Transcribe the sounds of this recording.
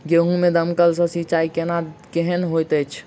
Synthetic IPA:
ɡeɦũmed̪əmkəlsə̃sit͡ʃaikenakeɦənɦojt̪ət͡ʃʰ

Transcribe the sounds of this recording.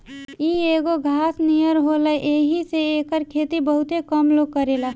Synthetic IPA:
ieːɡoɡʱaːsnijəɾɦoləʔeːɦiseekəɾkʰeːt̪ibəɦʊt̪ekəmloɡkəɾela

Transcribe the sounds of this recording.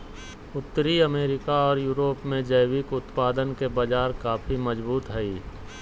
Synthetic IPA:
ʊt̪ːəɾiəmeːɾɪkaɔːɾjuːɾoːpmẽd͡ʒəːwɪkʊt̪paːd̪ənkebəd͡ʒaːɾkaːfʰimɐd͡ʒbuːt̪ɦɛiː

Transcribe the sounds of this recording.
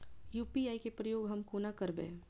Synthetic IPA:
juːpiaːikepɾəjoːɡɦɐmkoːnakəɾbḛ̃ː

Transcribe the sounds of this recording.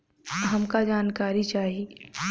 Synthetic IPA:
ɦɐmkad͡ʒaːnkaːɾit͡ʃaːɦie

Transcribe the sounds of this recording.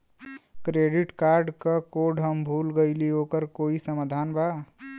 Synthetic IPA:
kɾeɖiʈkaɾɖkəkoɖɦəmbʱulɡəɪliokəɾkoːisəmad̪ʱanba

